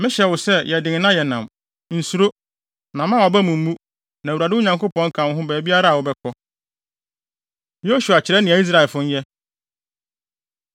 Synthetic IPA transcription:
mɪ̃˦ɕɛ˨wʊ˨sɛ˦jʔɛ˨dɪ̃˨ŋ˨nã˦jɛ˨nã˨m | n̩˨su˨ɾo˦ | nã˨mã˦ɔ˨bæ˦mũ˨m̩˦mũ˦ | nã˨wa˨dɪ˦ʊ˦ɲã˨ŋko˦pʰɔ̃˦ŋ̩˦kʰã˨˦ɦʊ̃˦bæː˨bi˦a˦ɾa˦a˨wʊ˨˦bɛ˦kʰɔ˦ | jo˦su˨a˨t͡ɕʰɪ˨ɾɛ˦nɪ̃˨æ˨i˦s̬ɾa˨ɛ˨lfʊ̃˦ɲ˦jɛ˦

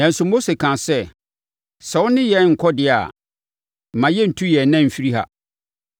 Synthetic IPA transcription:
nã˨n̩˨sʊ˨mo˦se˨kʰã˨sɛ˦ | sɛ˨˦wʊ˦nɪ̃˦jɛ˦n˦ŋ̩˨kʰɔ˦dɪ˨a̰˨ | m̩˨mã˨jɛ˦n̩˨tʰũ˦jɛ˨nã˦m̩˨fi˦ɾi˦ha̰˨

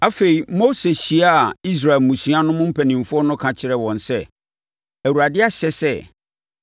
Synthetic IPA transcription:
a˦fe˨i˨mo˦se˨ɕi˨a˦a˨i˦s̬ɾa˨ɛ˨lmũ˨sĩ˦a˦nʊ̃˦mʊ̃˦m̩˦pʰæ˨nĩ˨m˨fʊ˦ɔ˦nʊ̃˦kʰã˨t͡ɕʰɪ˦ɾɛ˦wɔ̃˨nsɛ˦˨ | æ˨wu˨ɾa˨dɪ˦a˦ɕɛ˦sɛ˦˨

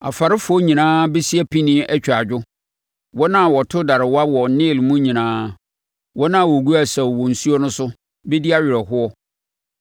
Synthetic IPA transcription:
a̰˨fa˨ɾɪ˦fʊ˦ɔ˦ɲĩ˨nãː˦bɛ˦si˦æ˦pʰi˦nĩ˦ʔɛ˦t͡ɕᶣa˨d͡ʑᶣʊ˦ | wɔ˦nã˦˨wɔ˨tʰʊ˦da˨ɾɪ˨wa˦wɔ˨˦nɪ̃˦˨lmũ˦ɲĩ˨nãː˦ | wɔ˦nã˦˨wɔ˨ɡu˦a˦˨sɛ˨wɔ˨n̩˨su˦ɔ˦nʊ̃˦sʊ˦ | bɛ˦di˦a˦ɥᶣɪ˨ɾɛ˨ɦʊ˦ɔ˦

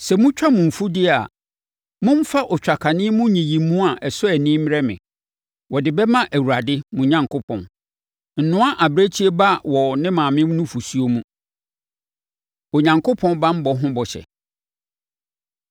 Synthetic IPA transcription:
sɛ˨mʊ̃˦t͡ɕᶣa˦mʊ̃˨fu˦dɪ˦a˨ | mʊ̃˦m̩˦fa˦ʔɔ˨t͡ɕᶣa˨kʰa˨nɪ̃˦mʊ̃˦ɲĩ˨jĩ˨mũ˦a˨ʔɛ˨sʊ˦ɛ˨nɪ̃˦m˦ɛ˦mɪ̰̃˨ | wɔ˨dɪ˨bɛ˦mã˦ʔæ˨wu˨a˨dɪ˦mʊ̃˨ɲã˨ŋkʰo˦pʰɔ̰̃˨n | n̩˨nʊ̃˦a˦ʔa˨bɾe˦t͡ɕʰi˦e˦ba˦wɔ˨nɪ̃˦mãː˨mɪ̃˦m˦nʊ̃˦fu˨su˦o˦mũ˦ | ɔ˨ɲã˨ŋkʰo˦pʰɔ̃˦nbã˦m̩˦bɔ˨ɦʊ̃˦bɔ˨ɕɛ̰˨

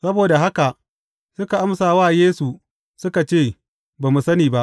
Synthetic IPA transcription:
sɐ˦boː˨da˨ɦa˦ka˨ʔ | sʊ˦ka˨ʔa˦msaː˨waː˦˨jeː˦su˨ | sʊ˦ka˨t͡ʃeː˦˨ | baː˨mu˨sɐ˦niː˨ba˦ʔ

